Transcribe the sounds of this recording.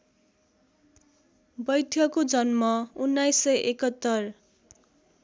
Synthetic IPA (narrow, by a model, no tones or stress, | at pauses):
bʌjt̪ʰjʌkod͡zʌnmʌunːajsːʌjʔekʌt̪ːʌr